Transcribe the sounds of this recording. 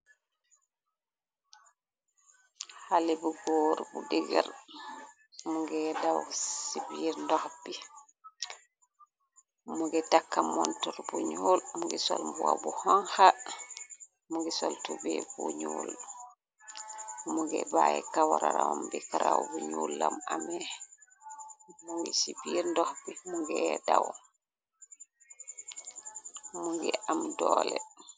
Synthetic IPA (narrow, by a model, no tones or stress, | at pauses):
halibuɡɔɾbudɛɡɛɾ | muɡɛdawssibiɾndɔhbi | muɡɛtakːamɔntɔɾbuɲolmuŋɡɛsɔlmbuabuhaŋha | muŋɡɛsɔltubɛbuɲuːl | muŋɡɛbaɛkawaɾaɾamambikaɾawbuɲuːlːamamɛ | muŋɡɛsibiːɾndɔhbimuŋɡɛdaw | muŋɡɛʔamdɔːlɛ